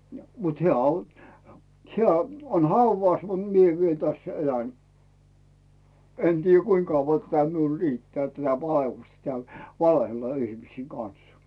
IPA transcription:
jɑ mut heæˑ on hĕæ on hɑuʋɑˑs mut mie ʋiel tæsː elæn en tiːjːæ kuiŋ kɑuʋːɑ tætæ miul ritːĕæː tætæ ʋɑelːustɑ̆ tĕæˑl ʋɑlehelːɑ ihmisiːŋ ɡ̊ɑn̞s

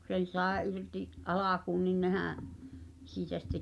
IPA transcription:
kŭ sen̞ sɑˑe ʔirtiʔ ʔɑlɑkuːn nin nehæ̃ː siːtæ sitːe

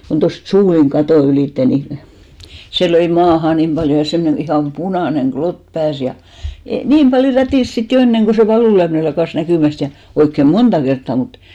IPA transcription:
kon tost suːliŋ kɑtoˑ yliˑtːe ni se løi mɑːhɑ nim b̥ɑljo jɑ semnen ihɑˑm punɑˑneŋ ɡ̊lot pæːs jɑ niːm b̥ɑljo rætiˑs sit jo enːeŋ ɡ̊o se ʋɑluˑlyæmĭne lɑkɑˑs nækyˑmæst jɑ oikːe montɑ kertːɑˑ mut

